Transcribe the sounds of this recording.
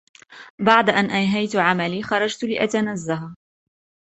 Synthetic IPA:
baʕd̪aʔanʔanɦajt̪ʕamaliːxɑɾˤɑd͡ʒt̪lɪʔat̪anazːaɦaː

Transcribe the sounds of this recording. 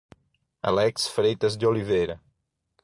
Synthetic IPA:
a̰lɛksfɾejt̪ɐzd̪olivejɾɐ

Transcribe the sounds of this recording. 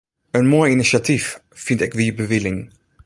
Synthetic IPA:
ənmɔːjɪniʃatifː | ɪntɪkvibəvɪlɪŋ

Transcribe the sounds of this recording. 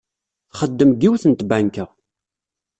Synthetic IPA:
θχəd̪ːəmɡiwθənt̪bæŋkəʁ

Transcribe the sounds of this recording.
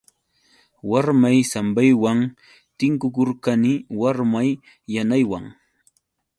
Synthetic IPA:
waɾmajsambajwaŋ | t̪ɪŋkʊkoɾkanɪwaɾmajː | anajwa̰ŋ

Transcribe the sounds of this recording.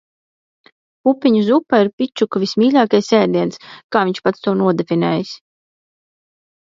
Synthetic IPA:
pupʲːiɲuzupaiɾpʲit͡ʃukvismʲiːlʲaːkajsɛːd̪iɛnskaːviɲʃpat̪st̪uɔnuɔd̪efʲinɛːjis

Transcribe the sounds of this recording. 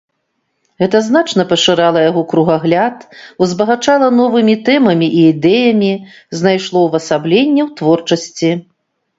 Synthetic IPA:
ɣɛt̪ɐzn̪at͡ʂnɐpɐʂɨɾalˠɐjaɣɔkɾuɣaɣlʲat̪uzbɐɣat͡ʂalˠɐnɔvɨmʲit̪ɛmɐmʲiʔiːd̪ɛjɐmʲi | znajʂlˠɔwvɐsablʲenʲːɛwt̪vɔrt͡ʂɐsʲt͡sʲi

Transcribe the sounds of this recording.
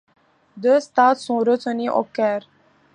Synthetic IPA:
d̪əst̪aːt̪sɔ̃ɾət͡sʰəniʔo̰kːɛɾ

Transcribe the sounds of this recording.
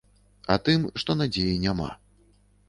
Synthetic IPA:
ɐt̪ɨmʂt̪ɔnad͡zʲejinʲama̰

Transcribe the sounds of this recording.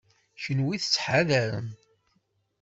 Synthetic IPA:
çənwiθət͡sːħaðæɾə̰n

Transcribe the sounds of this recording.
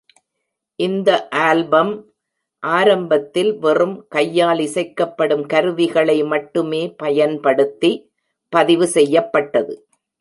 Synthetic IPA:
ʔɪnd̪ɐʔaːlbɐm | ʔaːɾɐmbɐt̪ːɪlʋɛrɯmkɐjːaːlɪsɐɪkːɐpːɐɽɯmkɐɾɯʋɪɣɐɭɐɪmɐʈːɯmeːpɐjɐnpɐɽɯt̪ːi | pɐðɪʋɯsɛjːɐpːɐʈːɐðɯ

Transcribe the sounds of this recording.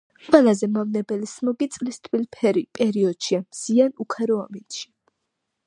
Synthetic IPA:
qʼwɛlˠazɛmavnɛbɛlismɔɡit̪sʼlist̪ʼʰwilpʰɛɾipʼɛɾiɔd̪̥ʃiamz̥ianukʰaɾɔaminʃi̥

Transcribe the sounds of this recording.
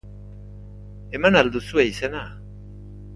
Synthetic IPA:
e̞manald̪usueisena

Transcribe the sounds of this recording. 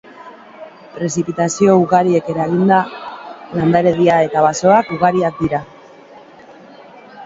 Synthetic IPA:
pɾe̞s̬ipit̪asio̞uɣaɾie̞ke̞ɾaɣind̪a | land̪aɾe̞ðiae̞t̪aβaso̞akuɣaɾiak̚d̪iɾa

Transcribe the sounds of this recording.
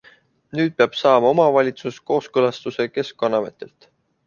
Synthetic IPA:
nyːd̪̥̚peɑb̥sɑːmɑo̞mɑvɑlʲit̪susko̞ːskɤlɑst̪use̞ke̞skkɑnɑve̞̰t̪ːe̞lt̪

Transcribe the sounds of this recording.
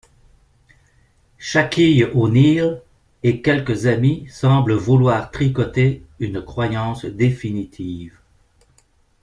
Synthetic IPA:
ʃakʲijonil | ekʲɛlkəzamisɑ̃bləvulwaːʁt̪χikɔt̪eynkχwajɑ̃sd̪efinit̪ʰiːv

